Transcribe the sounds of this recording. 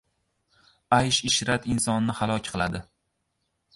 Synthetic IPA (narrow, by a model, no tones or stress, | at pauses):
ajʃɪʃɾat̪ɪnsɒnːɪhalˠɒkʲqʰɨlˠad̪ɪ